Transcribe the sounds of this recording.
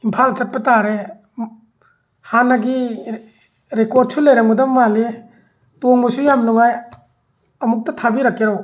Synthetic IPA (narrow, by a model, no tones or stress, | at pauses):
impʰalt͡ʃɐt̚pɐtaɾe | hanaɡi | ɾekɔd̚sulejɾaŋmudɐmːale | toŋmusujamluŋaj | ɐmuk̚tɐtʰabiɾakːeɾow